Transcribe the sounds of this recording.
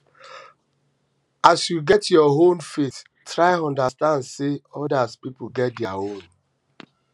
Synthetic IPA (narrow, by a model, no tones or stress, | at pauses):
asjuɡɛtjɔɦõmfet | tɾaɪɔ̃ndastãndseɔdaspip̩ɡɛt̚dja̰ɦõn